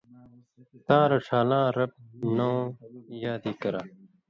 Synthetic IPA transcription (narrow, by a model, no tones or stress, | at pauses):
t̪ãːɾɐʈ͡ʂʰaːlãːɾɐb̚nõːjaːd̪iːkɐɾaː